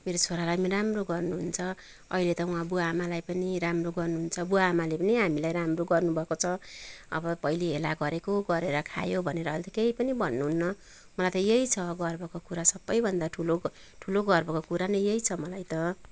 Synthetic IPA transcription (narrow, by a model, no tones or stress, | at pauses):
meɾot͡sʰoɾalajɾamroɡʌrnuɦunt͡sʰʌ | ʌilet̪ʌw̃abuaːmalajpʌniɾamroɡʌrnuɦunt͡sʰʌbuaːmalepʌniɦamilajɾamroɡʌrnubʱʌkot͡sʰʌʌ̰bʌpʌiliɦelaɡʌɾekoɡʌɾeɾʌkʰa̰jobʱʌneɾʌːlt̪ikeipʌnibʱʌnːuɦunːʌ | mʌlajt̪ʌjeit͡sʰʌɡʌrbʌkokuɾasʌbːʌjbʱʌnd̪aʈʰulo | ʈʰuloɡʌrbʌkokuɾanʌjjeit͡sʰʌmʌlajt̪ʌ